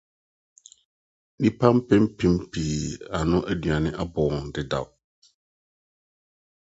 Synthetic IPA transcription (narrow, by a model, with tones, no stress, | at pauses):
nĩ˦pʰã˦m˦pʰɛ̃˦m˦pʰĩ˨˦m˦pʰi˨a˨nʊ̃˦ʔæ˦du˨a˨nɪ̃˦ʔa˦bɔː˨n˨dɪ˨da̰˨w